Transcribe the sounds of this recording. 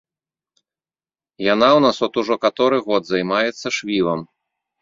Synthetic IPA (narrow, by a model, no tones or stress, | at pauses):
jan̪awnasɔt̪uʐɔkat̪ɔɾɨɣɔd̪zajmajɛt̪sːɐʂvʲivɐm